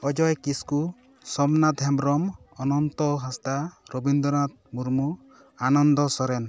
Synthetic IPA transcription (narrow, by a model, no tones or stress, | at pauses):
ɔd͡ʒɔjkisku | sɔmnat̪ɦɛmɾɔmɔnɔnt̪ɔɦast̪aɾɔbind̪ɔnat̪̚muɾmu | anɔnd̪ɔsɔɾɛn